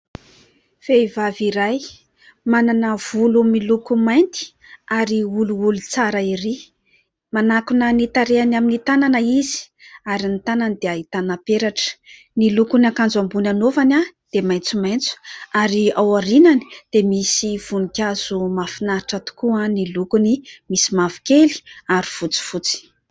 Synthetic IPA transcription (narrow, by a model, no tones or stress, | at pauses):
v̥eivaviɾaj | mananəv̥ulumilukumajnt̪i̥ | aɾiuluulut͡saɾaiɾi | manakunənit̪aɾeanaminit̪ananəizi̥ | aɾinit̪ananid̪eaɦit̪anapeɾaʈ͡ʂə̥ | nilukunakand͡zambunanovanʲad̪̥emajnt͡sumajnt͡su̥aɾiawaɾinani̥d̪̥emisiv̥unikʲaz̥umafinaɾiʈ͡ʂat̪u̥kuanilukunimisimavu̥keli̥aɾifut͡si̥fut͡si̥